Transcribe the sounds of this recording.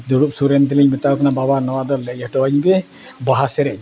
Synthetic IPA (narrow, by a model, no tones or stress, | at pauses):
d̪ɔɾup̚suɾɛnt̪ilɛjmɛt̪akɔnababanɔwad̪ɔlːɛjɛʈɔaɲibɛ | baɦasɛɾɛj